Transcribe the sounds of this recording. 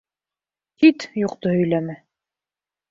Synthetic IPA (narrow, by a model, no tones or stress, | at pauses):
t̪it̪juqt̪ohɵ̆jlæmɘ